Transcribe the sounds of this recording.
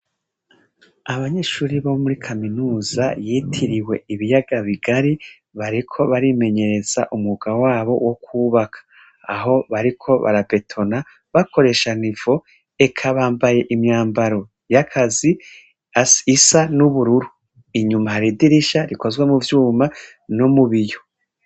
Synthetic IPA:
aβaɲe̞ːʃuːɾiβaβomuɾikʰaminuːzajitʰiɾiwe̞̰iβijaɡaβiɡaɾi | βaɾikʰo̞βaɾime̞ɲe̞ɾe̞z̥a̰ʔumŋuɡ̥awaːβo̞wʔo̞kuːβakʰḁː | ɦo̞βaɾikʰo̞βa̰ɾabe̞tʰo̞na | βakʰo̞ɾe̞ʃaniv̥o̞ | e̞kʰaβaːmbaje̞ʔimɲaːmbaɾo̞ | jakʰazi | asisanuβuɾuɾu | iɲumahaɾidiɾiʃaɾiko̞zɡwe̞muvjuːma | no̞muβijo̞

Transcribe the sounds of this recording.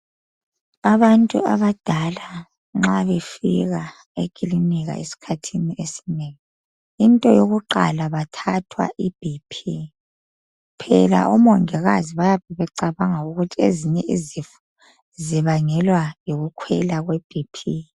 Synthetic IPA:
aβantʼṵa̰βad̥ʱala | ŋ͡ǁaβefḭɣa | ekʼiliniɣa̰ʔesi̥kʰatʰiniʔesi̥nɛŋi | intʼɔjoɣuǃa̰laβatʰatʰwa̰ʔib̥ʱipʰi | pʰɛ̰la̰ʔɔmɔŋɛɣaziβajaβɛβɛǀaβaŋauɣutʰieziɲɛʔizifu | ziβaŋɛlwajoɣukʰwɛlaɣweb̥ʱipʰi

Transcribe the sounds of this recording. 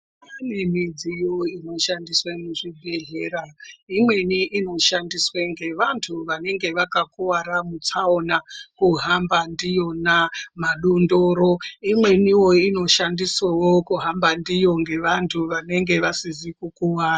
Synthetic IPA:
anemid͡zijo̞ino̞ʃandiswemuʐibʱe̞ɮeːɾaimwe̞niʔino̞ʃandisweŋɡe̞ʋantʰuʋane̞ŋɡe̞ʋakakuwaɾamut͡saonakuɦambandijo̞namaɗondoɾo̞imwe̞niwo̞ino̞ʃandiswawo̞kuɦambandijo̞ŋɡe̞ʋantʰuʋane̞ŋɡe̞ʋasizikukuwaːra

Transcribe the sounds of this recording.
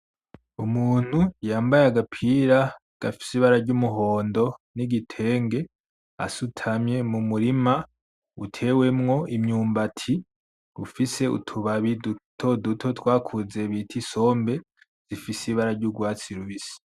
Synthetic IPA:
umuːn̥hujaːmbajaɡapʰiːɾa | ɡ̥afi̥siβaɾaɾɟumuɦo̞ːndo̞niɡitʰe̞ːŋɡe̞ | a̰sutʰamɲe̞mumuɾima | utʰe̞ːwe̞mŋo̞ʔimɲuːmbatʰi | ufise̞ṵtʰuβaβidutʰo̞dutʰo̞twaːkʰuze̞βitʰiso̞mbe̞ | z̥ifisiβaɾaɾɟuɡwaːt͡siɾuβisi̥

